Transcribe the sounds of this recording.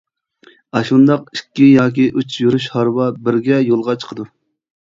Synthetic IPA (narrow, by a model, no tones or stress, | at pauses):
ɑʃund̪ɑqikʲːijɑːk̬ʲiʔut͡ʃjuɾuʃhɑɾwɑbɪɾɡʲɛjolˠʁɑt͡ʃʰə̥qʰəd̪u